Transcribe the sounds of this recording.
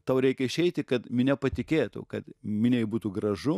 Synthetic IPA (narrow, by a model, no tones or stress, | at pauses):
t̪ɐʊɾʲɛɪkʲɛɪʃʲɛɪt̪ʲɪkɐt̪mʲɪnʲɛpɐt̪ʲɪkʲeːt̪ʊ̰kɐt̪mʲɪnʲɛɪjbuːt̪uːɡrɐʒʊ